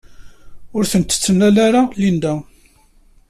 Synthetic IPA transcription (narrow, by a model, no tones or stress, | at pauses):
ʊɾθənt̪ːə̥t͡sːənːælæɾalind̪æ